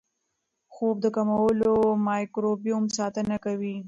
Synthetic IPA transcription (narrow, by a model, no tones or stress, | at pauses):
xob̚d̪əkamawəlomɑjkɾobijumsɑt̪ənakawi